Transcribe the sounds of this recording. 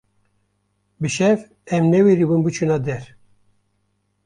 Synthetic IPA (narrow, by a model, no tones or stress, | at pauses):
bɨʃɛv | ɛmnɛweɾibɨnbɨt͡ʃʰunɑːd̪ɛɾ